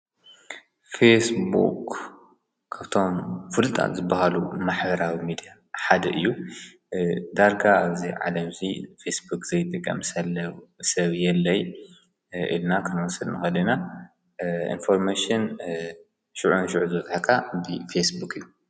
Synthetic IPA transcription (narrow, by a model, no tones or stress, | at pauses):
fesbṵk | kʰːaβt̪ʰo̞mfɨlɨt̪ʼa̰t̪zɨbːahalumaħbɐɾawimid̪ija | ħad̪ɐʔɨjːu | d̪aɾɡaaβziʕa̰lɐmzifesbukz̥ɐjt̪ʼɨkʼːɐ̰msɐlːɐwsɐβjɛlːɐj | ʔḭlnakʰɨnwɔsɨlnɨxɐd̪ina | ḭnfo̞ɾmaʃɨn | ʃuʕunʃʊʕuzɨbɐt̪ħakʰabɨfesbukɨijːu